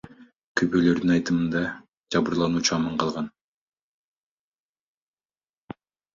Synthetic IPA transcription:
kʰybølø̞ɾd̪inɑjt̪ɯmɯnd̪ɑ | d͡ʒɑβuɾlˠɑnuːt͡ʃuɑmɑɴqʰɑlˠʁɑn

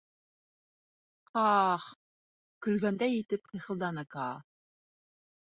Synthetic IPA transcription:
qɑːχ | kɵ̆lɡænd̪æjit̪ɘp̚qʰiχɤ̆lˠd̪ɑnɑkɑː

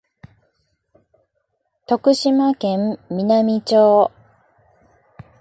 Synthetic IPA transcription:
t̪o̞kɯ̟ɕimakẽ̞mːʲinamʲit͡ɕoː

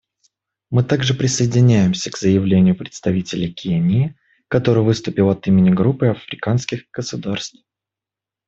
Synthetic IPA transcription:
mɨt̪aɡʐɨpɾʲɪsəɪdʲɪnʲæjɪmsʲəkz̥əjɪvlʲenʲɪjʊpɾʲɪt̪st̪ɐvʲitʲɪlʲɪkʲʰenʲɪː | kɐt̪o̞ɾɨjvɨst̪ʊpʲɪlˠɐt̪imʲɪnʲɪɡɾupɨɐfɾʲɪkanskʲɪxɡ̥əsʊd̪arst̪f

